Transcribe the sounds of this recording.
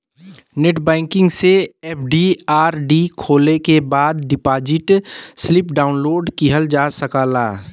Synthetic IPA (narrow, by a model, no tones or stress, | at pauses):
neʈbɛ̃ːŋkɪ̃ŋɡseeːp̚ʰɖiaːɾɖikʰoːlekebaːd̪̚ɖɪpaːd͡ʒɪʈslɪpɖaːʊnloːɖkiɦəld͡ʒaːsəkaːlaː